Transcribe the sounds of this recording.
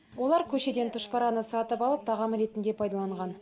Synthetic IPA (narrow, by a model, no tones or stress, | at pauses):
wo̞lˠɑɾkʲʰɵʃe̞d̪e̞nt̪ʰʊʃpɑɾɑnəsɑt̪əpɑlˠəp̚t̪ʰɑʁɑmɾe̞t̪ɪnd̪e̞pʰɑjd̪ɑlˠɑɴʁɑn